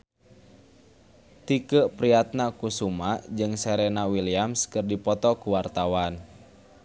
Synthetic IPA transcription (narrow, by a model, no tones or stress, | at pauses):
t̪ikəʔpɾiat̪̚nakusumaʔd͡ʒɨŋsɛɾɛnawiliamskərdipɔt̪ɔkuwart̪awan